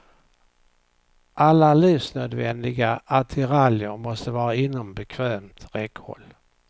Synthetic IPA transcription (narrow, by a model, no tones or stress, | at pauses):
ʔalːaliːfsnøːd̪vɛnd̪ɪɡaʔat̪ʰɪɾaljəɾmɔst̪əvɑːɾaɪnːɔmbɛkʰvɛːmt̪ɾɛkhɔ̰lː